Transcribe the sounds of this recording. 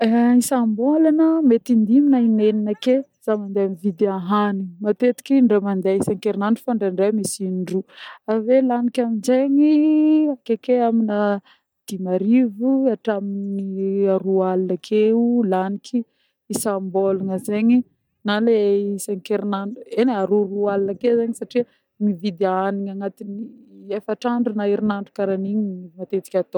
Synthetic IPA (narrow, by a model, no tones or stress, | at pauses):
isambolanəmet̪ind̪iminaineninəkez̥amand̪eamivid̪eaɦanimat̪et̪i̥kʲiɳɖ͡ʐemand̪eisaŋkeɾinanɖ͡ʐufaɳɖ͡ʐaɳɖ͡ʐemisinɖ͡ʐuavelanikʲaminzeɲiakekeaminə | d̪̥imaɾivuaʈ͡ʂaminiaɾualnəkʰeulanikʰi | isamboluŋəzeɲi | naleseŋikeɾinaɳuenaɾuɾualinəkezeɲisaʈ͡ʂiə | mivid̪eaniɲaŋat̪iniefaʈ͡ʂaɳɖ͡ʐunaiɾinaɳɖ͡ʐukaɾaniɲimat̪et͡s̪i̥kʲat̪o